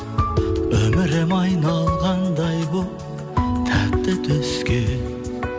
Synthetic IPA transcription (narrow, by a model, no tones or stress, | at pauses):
ɵmɪɾemɑjnɑlˠʁɑnd̪ɑjbʊ | t̪ʰæt̪ːɪt̪ʰʏskʲe